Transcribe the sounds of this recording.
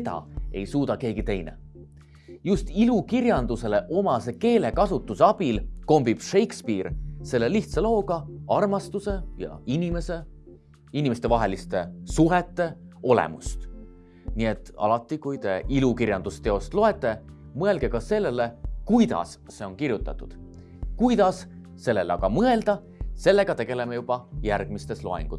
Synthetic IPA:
t̪ɑ̰e̞̰jsuːt̪ɑke̞ːɡ̥it̪e̞jnḛ | just̪ilukirjɑnd̪̥use̞le̞ʔo̞mɑse̞ke̞ːle̞kɑsut̪ːˑuseɑb̥ilko̞mbib̥ʃe̞jkspiːrse̞lːeliht̪sɑlo̞ːɡ̥ɑɑrmɑst̪use̞jɑ̰inʲime̞se̞ | inʲimest̪e̞vɑɦe̞list̪e̞suɦet̪ːe̞o̞lḛmust̪ | nie̞t̪ːˑɑ̰lɑt̪ˑːikujt̪e̞ʔilukiɾjɑnd̪̥ust̪e̞o̞st̪lo̞e̞t̪ːˑe̞ | mɤe̞lɡ̥e̞kɑse̞lːele̞kujd̪ɑ̰s | se̞o̞nkirjut̪ːˑɑt̪ːˑud̪̥ | kujd̪̥ɑs | se̞lːe̞lɑɡɑmɤe̞ld̪̥ɑ | se̞lːe̞ɡ̥ɑt̪e̞ɡ̥e̞le̞mejub̥ɑjærɡ̥̚mist̪e̞slo̞̰ḛŋɡ̥u

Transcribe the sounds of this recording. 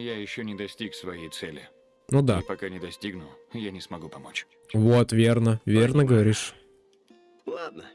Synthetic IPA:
jajɪɕːonʲɪd̪ɐsʲtʲiksvɐjejt̪sɛlʲɪ | nud̪apɐkanʲɪd̪ɐsʲtʲiɡnʊ | janʲɪsmɐɡupɐmot͡ɕ | vot̪vʲernəvʲernəɡəvɐɾʲiʂ | lˠad̪̚nə

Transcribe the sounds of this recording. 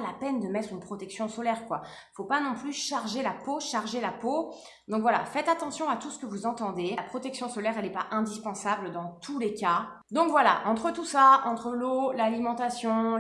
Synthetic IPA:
lapɛnd̪əmɛt̪χynpχɔt̪ɛksjɔ̃sɔlɛʁkwa | fopanɔ̃plyʃaʁʒelapoʃaʁʒelapo | d̪ɔ̃kvwala̰fɛt̪at̪ɑ̃sjɔ̃at̪usə̥kəvuzɑ̃t̪ɑ̃d̪eapχɔt̪ɛksjɔ̃sɔlɛʁɛlɛpaʔɛ̃d̪ispɑ̃sabld̪ɑ̃t̪ʰuleka | d̪ɔ̃kvwala̰ʔɑ̃t̪χət̪usaɑ̃t̪χəlolalimɑ̃t̪asjɔ̃

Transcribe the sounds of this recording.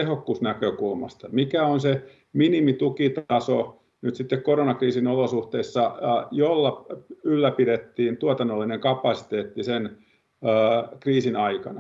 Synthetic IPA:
ehokːusnækøkulmɑ̰st̪ɑmikæonse | minimit̪ukit̪ɑso | nyt̪sit̪ːekkoronɑkriːsinolosuht̪eisːɑjolːɑylːæpidet̪ːiːnt̪uot̪ɑnːolːineŋkɑpɑsi̥t̪eːt̪ːisenː | kriːsinɑikɑ̰nɑ

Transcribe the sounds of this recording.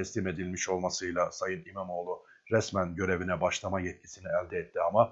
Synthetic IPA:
ɛslime̞d̪ilʲmiʃo̞lˠmasɯjlˠasajɯnimamo̞ːlˠu | ɾɛsmænɟø̞ɾe̞vinɛbaʃlˠamajɛt̪̚cʰi̥siniɛlʲd̪ɛɛt̪ːiama

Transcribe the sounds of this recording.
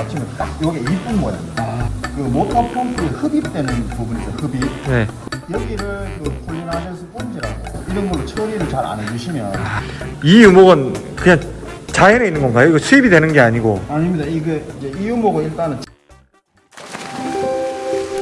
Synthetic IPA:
at͡ɕʰimjʌnt͈ak̚jʌɡeip͈unmʌjaakɯmotʰapʰoŋpʰɯehɯbip̚t͈we̞nɯnpubunid͡ʑʌhɯbip̚ne̞ | jʌɡiɾɯɭkɯkoɲunɦadesʰɯp͈und͡ʑiɾaɡoiɾʌnɡʌɭːot͡ɕʰʌɾiɾɯɭt͡ɕaɾa̰ned͡ʑuɕʰimjʌnnijumoɡɯn | kɯɲaŋt͡ɕajeɾeinːɯnɡʌnɡajʌiɡʌsʰuibidwe̞nɯnɡe̞aɲiɡoaɲimɲidaiɡeid͡ʑe̞ijumoɡʌiɭt͈anɯn

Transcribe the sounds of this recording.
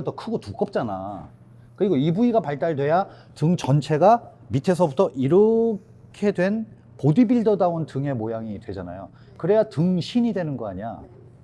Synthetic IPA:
tʌkʰɯɡotuk͈ʌp̚t͡ɕ͈ana̰ | kɯɾiɡoibuiɡapaɭt͈aɭdwe̞ja | tɯŋt͡ɕʌnt͡ɕʰe̞ɡa | mitʰe̞sʰʌbutʰʌʔiɾɯ | kʰe̞dwe̞n | podibiɭdodaontɯŋe̞mojaŋidwe̞d͡ʑana̰jo | kɯɾe̞jatɯŋɕʰiɲidwe̞nɯnɡʌa̰ɲia̰

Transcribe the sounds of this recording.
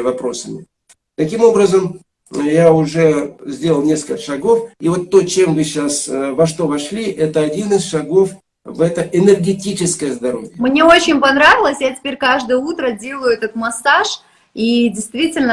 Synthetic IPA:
vɐpɾo̞səmʲɪ | t̪ɐkʲimo̞bɾəzəm | jaʊʐɛzʲdʲelˠəlˠnʲe̞skəlʲkəʂɐɡo̞fivo̞t̪ːo̞t͡ɕe̞mvɨɕasvɐʂt̪o̞vɐʂlʲiʔɛt̪əɐdʲinɨsʂɐɡo̞f | vɛt̪əʔɪnʲərɡʲɪtʲit͡ɕɪskəjəzd̪ɐɾo̞̰vʲjəmnʲeot͡ɕɪnʲpɐnɾavʲɪlˠəsʲjatʲɪ̥pʲeɾʲkaʐd̪əjəut̪ɾədʲe̞lˠəjʊɛt̪ət̪̚mɐsaʂ | idʲɪjst̪vʲitʲɪlʲnə

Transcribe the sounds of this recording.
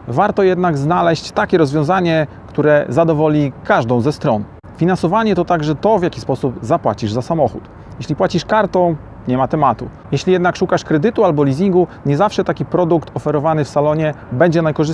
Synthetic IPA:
vaɾt̪ɔjɛd̪naɡznalɛɕt͡ɕt̪akʲɛɾɔzvʲjɔ̃zaɲɛ | kt̪uɾɛzad̪ɔvɔlʲikaʐd̪ɔ̃w̃zɛst̪ɾɔn | fʲinansɔvaɲɛt̪ɔt̪aɡʐɛt̪ɔvʲjakʲi̥spɔsubzapwat͡ɕiʐzasamɔxṵt̪ | jeɕʲlʲipwat͡ɕiʂkaɾt̪ɔ̃w̃ | ɲɛmat̪ɛmat̪ṵ | jɛɕlʲijɛd̪nakʂukaʂkɾɛd̪ɘt̪ualbɔlʲizʲiŋɡuɲɛzafʂɛt̪akʲipɾɔd̪ukt̪ɔfɛɾɔvanɘfsalɔɲɛbɛɲd͡ʑɛnajkɔʐɘs

